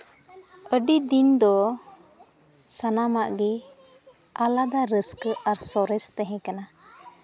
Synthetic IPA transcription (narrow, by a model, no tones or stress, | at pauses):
əɖid̪ind̪ɔ | sanamaʔɡɛ | alad̪aɾəskəʔaɾsɔɾɛst̪ɛɦɛ̃kana